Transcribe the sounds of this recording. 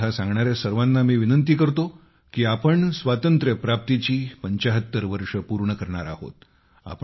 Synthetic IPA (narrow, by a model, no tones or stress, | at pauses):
asãŋɡɳaɾjasəɾʋanːamiːʋinənt̪̬iːkəɾt̪o | kiːapəɳsʋat̪ənt̪ɾjəpɾap̚t̪it͡ɕiːpəɲt͡ɕaɦət̪ːəɾʋəɾʂəpuɾɳəkəɾɳaɾa̰ɦo̰t̪ | a̰p